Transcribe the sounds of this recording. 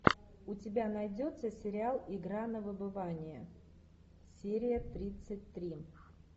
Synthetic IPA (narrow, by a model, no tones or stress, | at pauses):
ʊtʲɪbʲanɐjdʲo̞t̪səsʲɪɾʲɪalˠɪɡɾanəvɨbɨvanʲɪjə | sʲeɾʲɪjət̪ɾʲit̪sɨt̚ʲt̪ɾʲi